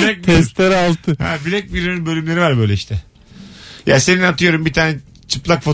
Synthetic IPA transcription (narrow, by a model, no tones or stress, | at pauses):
blɛk̚t̪ʰɛst̪leɾalˠt̪ʰɯhɛ̰bilʲɛc̚biɾynynbølʲymlʲeɾivaɾbø̞jlʲɛiʃt̪ʰɛ | jaːse̞ninat̪ʰɯjo̞ɾumbit̪ʰaːnɛ | t͡ʃʰɯplˠakfo